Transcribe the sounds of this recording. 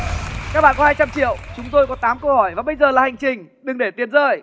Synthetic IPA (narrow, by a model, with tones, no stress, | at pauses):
kaː˦˥k̚ɓa̰ː˧˨kɔ˦haː˧jt͡ɕa˧mt͡ɕḭ˧˨əwt͡ɕʊ˨˦ŋ͡mt̪o˧jkɔ˨˦t̪aː˨˦mkə˧whɔ˧˩jvaː˨˩ɓə˧jzəː˨˩laː˨˩ha˨˩jŋ̟t͡ɕï˨˩ŋ̟ | ɗɨ˨˩ŋɗe˧˩t̪i˨˦ənzəː˧˩j